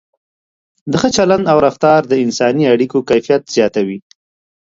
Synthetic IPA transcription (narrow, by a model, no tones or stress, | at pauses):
d̪əxət͡ʃaland̪awɾaft̪ɑɾd̪əɪnsɑniaɽikokajfijat̪z̥jɑt̪awi